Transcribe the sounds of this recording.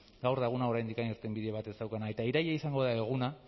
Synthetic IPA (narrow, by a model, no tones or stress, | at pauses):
ɡawɾðaɣunao̞ɾajnd̪ikaniɾt̪e̞mbiðeβat̪e̞sawkanae̞t̪aiɾajaisaŋɡo̞ðaeɣ̞una